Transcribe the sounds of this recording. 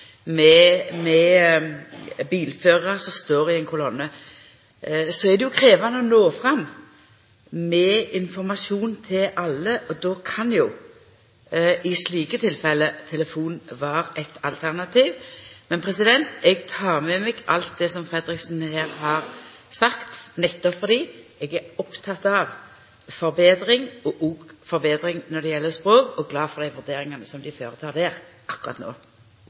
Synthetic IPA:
mɛmɛ | biːlføːʁɑsɔst̪oːɾɪɛɪnkʰʊlɔnːə | sɔɛd̪ɛjʊkʰɾeːʋɑnəɔnoːfɾɑmː | mɛɪnfɔɾmɑsuːnt̪ʰɪlʔɑlːəʔɔd̪ɔkʰɑnjʊ | ɪsliːkət̪ʰɪlfɛlːət̪ʰɛləfuːnʋɑːɾɛt̪ɑlt̪ʰæʁnɑt̪ʰiːʋmɛnpʰɾɛsɪd̪ɛnt̪ɛɡt̪ʰɑːʁmɛmɛɡʔɑ̰lt̪̚d̪ɛsɔmfɾɛd̪ɾɪksn̩heːʁhɑɾsɑkt̪nɛt̪ːɔpfɔɾd̪iːɛɡæɾɔpt̪ʰɑt̪ɑʋ | fɔɾbeːd̪ɾɪŋɔʔuːɡfɔɾbeːd̪ɾɪŋnɔʁd̪ɛjɛlːəspɾoːkɔɡlɑːfɔʁd̪æɪʋʉɾd̪eːɾɪŋɑnəsɔmd̪ɪføːʁət̪ʰɑːʁd̪eːʁʔɑkːʊɾɑ̰t̪no̰ː

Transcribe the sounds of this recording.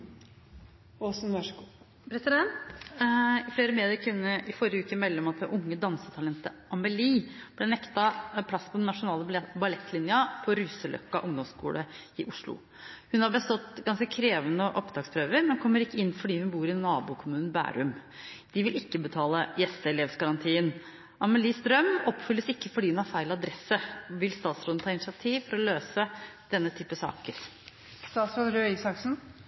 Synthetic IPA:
osnʋɑ | pɾɛsɪd̪ɛnt̪ | ɪfleːɾəmeːd̪ɪəɾkʰʉnːəʔɪfɔɾjəʉːkəmɛlːɔmɑt̪ɛʔʊŋːəd̪ɑnsət̪ʰɑlɛnt̪əɾɑmɛliːb̥lɛnɛkt̪ɑpʰlɑsːpʰɔd̪ɛnːɑʂʊnɑːləbɑlɛt̪ːlɪnjɑpʰɔɾʉːsəlʔœ̰kːɑʔʊŋd̪ɔmskṵːləɪʔʊʂlʊ̰ | hʉnhɑɾbəst̪ɔt̪ːɡɑnskəkʰɾeːʋənəʔɔpd̪ɾɑːkspʰɾøːʋəɾmɛnkʰɔmːəɾɪkːəɪnːfɔɖiːhʉnbuːɾɪnɑːbuːkʰʊmʉːnn̩bæ̰ːɾʉmd̪̥ɪʋɪlɪkːəbət̪ʰɑːləjɛsəɛleːʋsɡɑɾɑnt̪ʰiːən | ʔɑməliːsd̪ɾœmɔpːfʏlːəsɪkːəfɔɖiːhʉnhɑɾfæɪlɑd̪ɾɛsːəʋɪlst̪ɑːt̪sɾɔːnt̪ʰɑːɪnɪsɑt̪ʰiːʋfɔɾɔløːsəd̪̥ɛnːət̪ʰyːpːəsɑ̰ːkəɾ | st̪ɑːt̪sɾɔnɾøisɑksn̩

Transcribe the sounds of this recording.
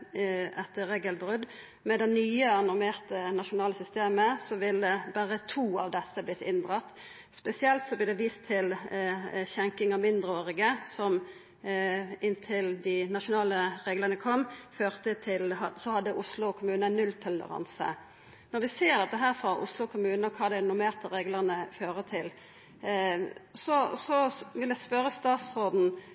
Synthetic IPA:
ʔɛt̪ːəʁeːɡəlbʁʉd̪ | mɛd̪ɛnnːyːəɑnʊʁmeːʁt̪ənɑʃʊnɑːləsʏst̪eːməsɔʋɪləbæːʁət̪ʰuːɑ̰ʋd̪ɛsːəblɪt̪ːɪnd̪ʁɑt̪ | spɛsɪɛlt̪sɔb̪ɪd̪ɛʋiːst̪ʰɪl | çɛŋkɪŋɑmɪnd̪ʁəoːʁɪɡəsɔm | ɪnt̪ʰɪld̪ɪnɑʂʊnɑːləɾeːɡləʁnəkʰɔmːføːʁt̪ət̪ʰɪlhɑsɔhɑd̪ːəʔʊslʊɔkʰʊmʉːnənʉlt̪ʰɔlə̰ʁɑ̰nsə̰ | nɔɾʋɪseːʁd̪ɛt̪ːəɦæːʁfɾɔʔʊ̰slʊkʰʊmʉːnəɔkʰɑːd̪ænʊmeːʁt̪əɾeːɡləʁnəføːʁət̪ʰɪl | sɔsɔʋɪlæspœɾːəst̪ɑːt̪sʁoːd̪n̩

